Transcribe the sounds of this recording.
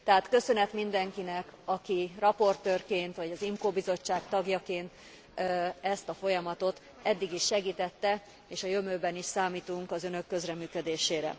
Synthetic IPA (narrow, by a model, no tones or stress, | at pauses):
t̪ɛɦaːt̪kø̞sø̞nɛt̪mind̪ɛŋkinɛkɒkirɒpo̞rt̪øːrkeːnt̪ʋɒɟɒzimkoːbizo̞t͡ʃːaːkt̪ɒɡjɒkeːnt̪ː | ɛst̪ɒfo̞jɒmɒt̪o̞t̪ | ɛd̪ːiɡiʃːɛɡiːt̪ɛt̪ːɛ | eːʃɒjø̞møːbɛniʃsaːmiːt̪uŋkɒzø̞nø̞kːø̞zrɛmyːkø̞d̪eːʃeːɾɛ̰